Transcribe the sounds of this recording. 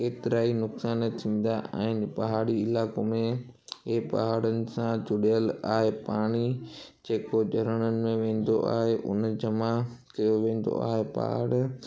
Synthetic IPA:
keːt̪ɪɾaːinʊksaːnt̪ʰĩːn̆d̪aã̰ːɦɪ̃npɐɦaːɽiɪlaːkomẽɦepɐ̰ɦaːɽənɪ̆sãd͡ʑʊɗijəlaːɦepaːɽ̃id͡ʑeːkoʄɐɾəɽ̃ənɪ̆mẽʋẽːn̆d̪oʔa̰ːɦeʔʊnd͡ʑɐmakɐjoʋẽːn̆d̪o̰a̰ːɦepɐ̰ɦa̰ːɽ

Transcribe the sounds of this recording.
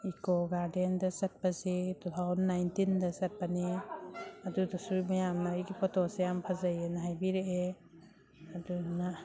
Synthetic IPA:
ikɔɡaɾdendɐsat̚pazitut̪ʰawzɔnːajntindɐsat̚pani | adudɐsumɐjamnaɾiɡipʰɔtʰɔsejampʰazajenaɦajbiɾeʔe | aduna

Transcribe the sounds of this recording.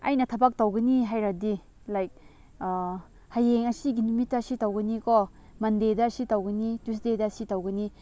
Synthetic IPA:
ɐ̰jnɐtʰɐbak̚tɐwɡɐniɦajɾadi | lajk̚ | hajeŋɐsiɡinumitːɐɐsitɐwɡɐnikɔ | mɐndedɐːsitɐwɡɐnitusdedɐsitɐwɡɐni

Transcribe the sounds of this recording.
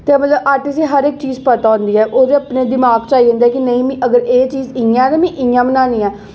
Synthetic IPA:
t̪eːmət̪ləbaːʈɪseːɦəɾɪk̚t͡ʃiːzpət̪aːɦʊ̃nd̪iːɛːʔoːd̪eəpneːd̪ɪmaːɡt͡ʃaːidə̃ːnd̪aɛːkɪnəĩːmĩʔəɡəɾeːt͡ʃiːzɪjãːɛːt̪aːmĩːʔɪ̃jãːmənaːnĩːɛː

